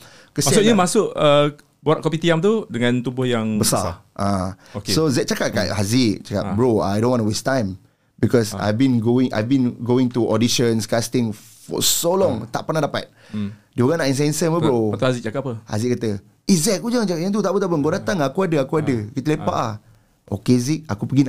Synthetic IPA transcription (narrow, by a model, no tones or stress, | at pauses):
kəsmaiuʔɲəmasʊʔə | boaʔ̚kɔpit̪iamt̪udəŋãnt̪ubʊhjaŋbəsa̰ʔã | kssozɛʔ̚t͡ʃakat̚kaʔhaziʔt͡ʃaka̰ʔ̚bɹoa̰jdõnwɔ̃nəwestãjm | bikɔsa̰jvbĩnɡoĩŋʔa̰jvbĩnɡoĩŋt̪uʔɔdiʃə̃nskast̪ĩŋ | fɔ̰solɔ̃ŋt̪aʔpənahdapa̰t̪̚ | dioɣaŋnaʔĩns̬ɛnsəmpəbbɹot̪ahazit͡ʃakapəha̰ziʔkat̪ə | izɛʔkud͡ʒaŋt͡ʃakatjãŋt̪̬ut̪aʔbət̪aʔpəŋɡodat̪aŋakuadəakuadəkit̪əlepa̰ʔlah | ʔo̰keziʔ̚akupəɡin